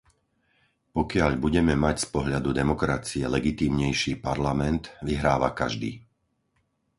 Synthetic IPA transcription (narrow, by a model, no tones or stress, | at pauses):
pɔkɪaʎbuɟɛmɛmacspɔɦʎad̪ud̪ɛmɔkɾat͡siɛlɛɡit̪iːmɲɛjʃiːpaɾlamɛnt̪ʋiɦɾaːʋa̰kaʒd̪ḭː